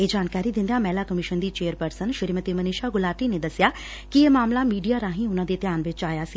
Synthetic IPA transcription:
eːd͡ʒaːnkaːɾiːd̪ɪ̃nd̪jãːmɛːlaːkəmɪʃənd̪iːt͡ʃeːəɾpəɾsənʃɪɾmət̪iːmənɪʃaːɡʊlaːʈiːneːd̪əsɪjaː | kieːmaːmlaːmiːɖijaːɾãːɦĩːʊnãːd̪eːt̪ɪjaːnʋɪt͡ʃaːjaːsi

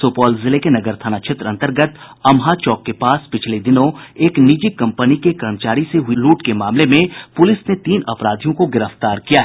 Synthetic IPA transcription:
soːpɔːlzɪlekenɐɡəɾt̪ʰaːnaʃʰɪt̪ɾəɐ̃nt̪əɾɡət̪ | ɐmɦat͡ʃɔːkːepaːspɪt͡ʃʰled̪ɪnõeːknid͡ʒikɐ̃mpənikekɐɾəmt͡ʃaːɾiseɦʊiluːʈkemaːmlemẽpʊlɪsnet̪iːnɐpɾaːd̪ʱijõkoɡɪɾəft̪aːɾkijaɦ

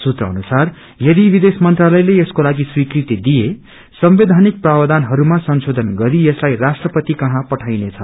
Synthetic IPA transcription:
sut̪rʌːnusar | jʌd̪ibid̪esmʌnt̪ralʌjleeskolaɡiswikrit̪id̪ije | sʌmbed̪ʱanik̚prabʌd̪ʱanɦʌɾumasʌnsod̪ʱʌnɡʌɾieslajrasʈrʌpʌt̪ikʌɦãpʌʈʰajnet͡sʰʌ

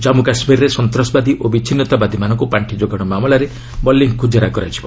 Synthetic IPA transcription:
d͡ʒamukasmiɾɾesɔnt̪ɾɔsbad̪ʱiʔobit͡ʃʰinːɔt̪abad̪ʱimanɔŋkupaɳʈʰid͡ʒoɡɔɽ̃ɔmamɔlaɾe | bɔlːiŋkʰud͡ʒaɾakɔɾajt͡ʃʰi̥bɔ

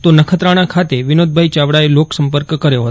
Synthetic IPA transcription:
t̪onəkʰət̪ɾaɽ̃akʰat̪eʋɪnod̪̚bʱait͡ʃaʋɽaeloksəmpəɾkːəɾjoɦət̪o

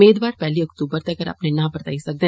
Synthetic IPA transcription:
eːd̪ʋaːɾpɛːliɐkt̪uːbəɾt̪eɐɡəɾa̰pnenãːbəɾt̪a̰ːisɐk̚d̪ẽː

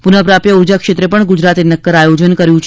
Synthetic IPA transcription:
punəpɾapjəuɾd͡ʒakʃet̪ɾepəɳɡud͡ʒɾat̪enəkːəɾajod͡ʒənkəɾjũt͡ʃʰ

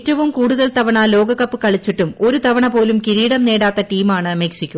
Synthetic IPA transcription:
tːɐʋumkuːɽuðɐlt̪ɐʋɐɳɐlo̞ːɡɐkːɐpːɨkɐɭit͡ɕːiʈːumo̞ɾut̪ɐʋɐɳɐpo̞ːlumkiɾiːɽɐmne̞ːɽaːt̪ːɐʈiːmaːɳɨɐmeksikʲːu

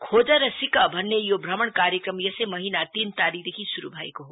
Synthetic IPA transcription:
kʰoːd͡ʒəɾɐsikəbʱɐnːejobʱɾɐməɳkaːɾjəkɾəmjɐsemɐɦinat̪iːnt̪aːɾid̪ekʰisuɾṵbʱaːikoɦo

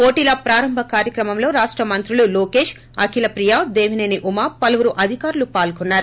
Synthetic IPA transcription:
po̞ːʈilɐpɾaːɾɐmbʱɐkaːɾjɐkɾɐmɐmlo̞ːɾaːʂʈɾɐmɐnt̪ɾululoːke̞ːʂ | ɐ̰kʰilɐpɾijaːd̪e̞ːʋineːniʔumaːpɐlɐʋuɾuʔɐd̪ʱikaːɾulupaːlkɔnːaːɾu

